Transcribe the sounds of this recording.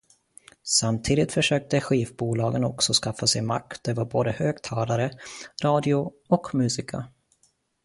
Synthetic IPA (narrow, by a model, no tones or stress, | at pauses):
samt̪ʰiːd̪ɪt̪fœʂøːk̚t̪əɧiːvbuːlɑːɡənɔksɔskafːasɛjma̰k̚tt̪̚d̪ɛvaɾboːd̪əhøːɡt̪ʰɑːlaɾəɾɑːd̪ɪʊ | ɔkmʉ̟ːsɪkʰa̰